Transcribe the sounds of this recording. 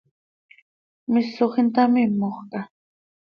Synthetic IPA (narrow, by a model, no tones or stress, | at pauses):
mɪsoχɪnt̪amɪmoχɢɑ